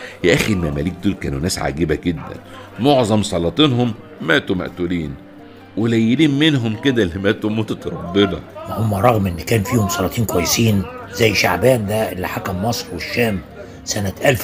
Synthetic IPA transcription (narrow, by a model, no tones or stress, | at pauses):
jæʔæxiɾmæmæ̰liːk̚d̪uːlkæːnunæːsʕa̰ɡiːbæɡed̪ːæ̰n | moʕzˤɑmsˤɑlɑt̪ˤiːnhomː | æːt̪umæ̰ʔt̪uliːn | welæjːeliːnmenɦomked̪ælːimæːt̪umoːt̪æt̪ɾˤɑb̪ːelɑ̰whomːæɾˤɑɣmʔenːkæːnfiːhomsˤɑlɑt̪ˤiːnkwæjːesiːnzæjːʃa̰ʕbæːnd̪æʔelːiħakæmmɑsˤɾweʃːæːm | sænæt̪ʔælf